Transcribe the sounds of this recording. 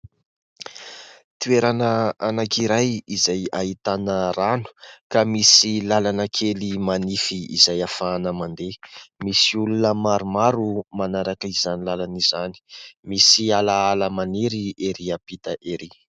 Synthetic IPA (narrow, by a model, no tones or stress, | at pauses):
t̪ueɾanəanakiɾajizajait̪anəɾanu̥kamisilalanəkʰelimanifiḭzajafaːnəmand̪emisiulunəmaɾumaɾumanaɾakəizanilalanizani̥misialaalamaniɾieɾiapit̪aʔeɾi